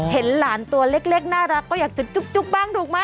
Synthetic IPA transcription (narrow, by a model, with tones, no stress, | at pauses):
he˩˦nlaː˨˩˦nt̪u˧ɐle˦˥k̚le˦˥˩k̚naː˥˩ɾaː˧kɔː˥˩jaː˨˩k̚t̪̚ʰt͡ɕu˦˥p̚t͡ɕu˦˥p̚ɓaː˥˩ŋduː˨˩ək̚maː˦˥